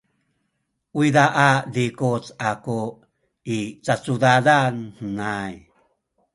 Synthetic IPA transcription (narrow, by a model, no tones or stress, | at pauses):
wiðaʔadikut͡saku | it͡sat͡suðadanhnaj